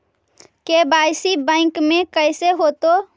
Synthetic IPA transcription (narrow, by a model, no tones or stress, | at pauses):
kebaɪsibə̃ɪkmẽkəɪseɦot̪o